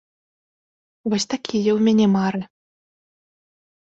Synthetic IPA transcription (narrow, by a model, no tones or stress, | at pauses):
vɔsʲt̪akʲʰijɐwmʲænʲɛmaɾɨ